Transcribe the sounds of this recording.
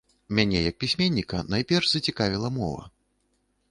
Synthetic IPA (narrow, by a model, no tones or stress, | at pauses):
mʲanʲɛjɐk̚pʲisʲmʲenʲːikɐnajpʲɛrʐzɐt͡sʲikavʲilˠɐmɔ̰vɐ̰